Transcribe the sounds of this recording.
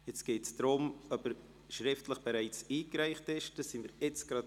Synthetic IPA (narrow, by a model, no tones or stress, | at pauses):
jɛt͡sɡ̥eːtsd̥ɾʊmœpəɾ | ʃɾɪftləχb̥ɛɾaɪt͡siːkɾæɪχtɪʃd̥ɑsiməɾɛt͡sɡ̥ɾɑt